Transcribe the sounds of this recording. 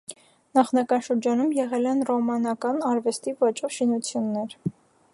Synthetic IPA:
nɑχnɑkɑnʃəɾd͡ʒɑnumjɛʁɛlɛnrɔmɑnɑkɑnɑɾvɛst̪ivɑt͡ʃʼɔvʃinut͡sʰjunːɛɾ

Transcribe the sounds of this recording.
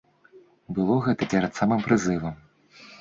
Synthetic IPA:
bɨlˠɔɣɛt̪ɐpʲɛɾɐt̪samɨmpɾɨzɨvɐm

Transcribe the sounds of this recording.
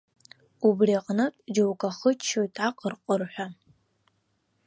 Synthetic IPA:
ubriaqʼnɨtʼd͡ʒowkʼaχət͡ʃʰːojtʼaqʼərqʼərħʷa

